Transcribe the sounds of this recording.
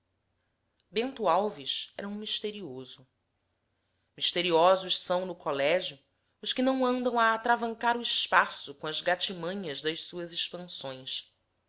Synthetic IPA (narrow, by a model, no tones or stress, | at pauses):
bẽnt̪uawviʃɛ̰ɾɐũmiʃt̪eɾiozʊ | miʃt̪eɾiɔzʊʃsɐ̃w̃nʊkolɛʒjʊ | ʊʃkɪnɐ̃w̃ɐ̃nd̪ɐ̃w̃ɐːt̪ɾavɐ̃ŋkaɾʊiʃpasʊkõɐzɡat͡ʃimɐ̃ɲɐzd̪ɐʃsuɐzɪʃpɐ̃sõj̃s